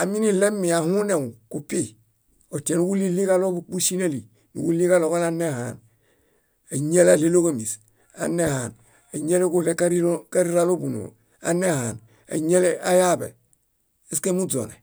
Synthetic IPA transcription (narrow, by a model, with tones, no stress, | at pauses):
a˨mi˦ni˦le˦mːi˨a˨hu˦ne˨ŋu˨ku˨pi˦ | o˨te˨nu˦ɡu˦li˦li˦ka˦lo˦bu˦k͡pu˦si˦na˦li˨ | nṵ˨ɡu˦li˦ka˦lo˨ka˦la˦ne˦ha̰˨n | a˨ɲe˦la˦le˦lo˦ka˦˨mi˨s | a̰˨nːe˦ha˨n | a˨ɲe˦le˦ku˦le˦ka˦ɾi˦ka˦ɾi˦ɾa˦lo˦bu˨no̰˨ | a̰˨ne˦ha˨n | a̰˨ɲe˦le˦a˦ja˦bḛ˨ | e˦ske˦mu˦d͡zo̰˨ne˨